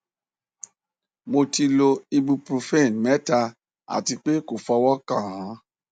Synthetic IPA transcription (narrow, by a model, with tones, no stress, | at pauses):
mo˧ti˧lo˧i˧bu˧pɾu˧fe˦˨nmɛ˦ta˧ | a̰˨ti˧k͡pe˦ko˨fɔ˧wɔ˦kã˦˨ɾã˨˦